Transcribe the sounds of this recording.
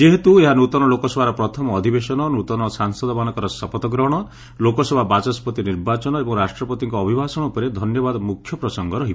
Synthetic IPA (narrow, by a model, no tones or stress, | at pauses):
d͡ʒeɦet̪ueɦanut̪ɔnɔlokɔsɔbʱaɾɔpɾɔt̪ʰɔmɔːd̪ʱibesɔnɔnut̪ɔnɔsaŋsɔd̪ɔmanɔkɔɾɔsɔpɔt̪ɔɡɾɔɦɽ̃ɔ | lokɔsɔbʱabat͡ʃɔspɔt̪iniɾbat͡ʃɔnɔebɔŋɾasʈɾɔpɔt̪iŋkɔːbʱibʱasɔɽ̃ɔupɔɾed̪ʱɔnjɔbad̪ɔmukʰjɔpɾɔsɔŋɡɔɾɔɦi